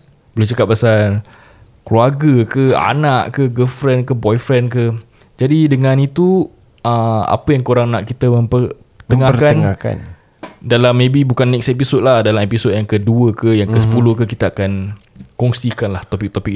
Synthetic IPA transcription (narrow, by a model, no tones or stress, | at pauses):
bəlut͡ʃakap̚ːasal | kluaɡəkəa̰naʔkəɡəlfɾɛnkəbɔjfɾɛnkə | d͡ʒadidəŋãnit̪u | əa̰pəjaŋkoɾaŋnaʔkit̪əmə̃mpər | t̪əŋakanaka̰n | dalamːẽbibukanːɛksepisod̚lahdalamepisod̚jaŋkəduəkəjaŋkəsə̥pulʊhkəkit̪aakan | kɔŋsikanlaht̪opik̚t̪opik̚